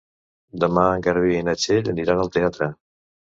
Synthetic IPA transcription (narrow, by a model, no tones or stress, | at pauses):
d̪əmaəŋɡəɾβiinət͡ʃeʎəniɾanəlˠt̪eat̪ɾə